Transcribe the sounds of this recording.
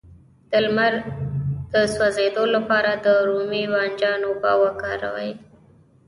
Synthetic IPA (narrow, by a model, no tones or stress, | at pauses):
d̪̥əlmaɾd̪̥əswazed̪olapɑɾad̪əɾumiwɑnd͡ʒɑnobɑ̰wakɑɾa̰wə̰j